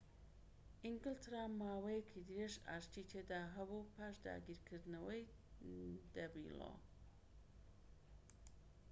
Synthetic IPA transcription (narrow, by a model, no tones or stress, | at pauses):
ʔiŋɡɨlt̪ɾamːaːwɐjekʰid̪ɨɾeʒa̰ːʃt̪it̪ʰed̪aːɦɐbupʰaːʃd̪a̰ːɡiːɾkʰɨɾd̪nɐwɐj | d̪̥ɐbḭlo̰